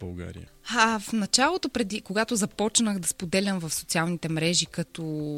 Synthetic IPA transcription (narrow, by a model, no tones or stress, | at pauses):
bɐlˠɡa̰ɾḭə̰afnɐt͡ʃalˠot̪opɾɛd̪ikoɡat̪ozɐpɔt͡ʃnəxd̪ɐspod̪ɛlʲɐmvɐfsot̪sialˠnit̪ɛmɾɛʒikɐt̪ɔ